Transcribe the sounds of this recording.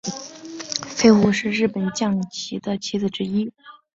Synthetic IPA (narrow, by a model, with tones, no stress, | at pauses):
fe˥˧ɪxu˥˧ʂɻ̩˥˧ɻɻ̩˥˩pə˨˩nt͡ɕjɑ˥˩ŋt͡ɕʰi˧˥d̪ə˧t͡ɕʰi˧˥d͡zɹ̩˥˧˩ʈ͡ʂɻ̩˥i˥